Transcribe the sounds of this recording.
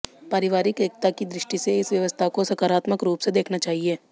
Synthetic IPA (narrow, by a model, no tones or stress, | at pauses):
paːɾɪʋaːɾɪkeːk̚t̪akid̪ɾɪʃʈiseɪsʋjɐʋəst̪ʰakosɐkaːɾaːt̪məkɾuːpsed̪eːkʰnat͡ʃaːɦieː